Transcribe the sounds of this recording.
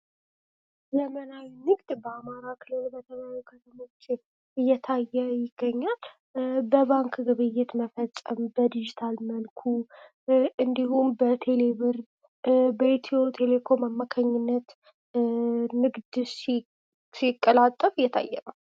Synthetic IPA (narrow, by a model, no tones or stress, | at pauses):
zəmənawinɨɡd̪bəamaɾakʰɨlɨlbət̪ʰəβawikʰət̪ʰəmo̞t͡ʃː | ɨjːɛt̪ʰajːɛjɪɡ̥ːəɲːal | bəβaŋkɡɨβɨjɛt̪məfət͡sʼːəmbəd̪id͡ʒit̪ʰalmənkʰu | ʔɨnd̪ihumbət̪ʰeleβɨɾ | bəet̪ʰiot̪ʰe̞le̞kʰo̞mamːakʰaɲːɪnːət̪ | nɨɡd̪s | sikʼːəlat̪ʼːəfɨjːɛt̪ʰa̰jːɛβal